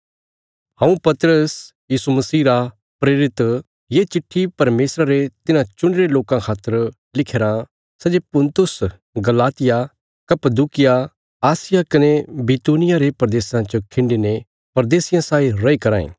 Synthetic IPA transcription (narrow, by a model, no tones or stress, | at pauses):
hãːũpɐt̪əɾəs | jiːsumɐsiːɾa | pɾeːɾɪt̪ | jet͡ʃɪʈʰːipɐɾmeːsɾaɾet̪ɪnãt͡ʃʊ̃ɳɖɪɾeloːkãkʰaːt̪ːəɾ | lɪkʰeːɾã | sɛd͡ʒepʊ̃nt̪ʊs | ɡɐlaːt̪ɪja | kɐpəd̪uːkɪja | aːsɪjakɐnebiːt̪uːnɪjaɾepɐɾɐd̪eːsãt͡ʃokʰɪ̃ɳɖine | pɐɾd̪eːsɪjãsaːiɾɐikɐɾãːḛ̃ː